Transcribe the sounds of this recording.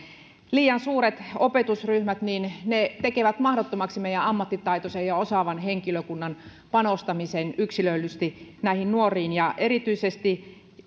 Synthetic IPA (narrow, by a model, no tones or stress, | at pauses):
liːjɑnsuːɾet̪opet̪usryhmæt̪niːnnet̪ekeʋæt̪mɑhɾot̪ːomɑksimeijæɑmːɑt̪ːit̪ɑit̪osejɑosɑʋɑnheŋkiløkunːɑn | pɑnost̪ɑmisenyksilølːyst̪inæihinnuorˑiːnjɑʔeɾit̪yisest̪i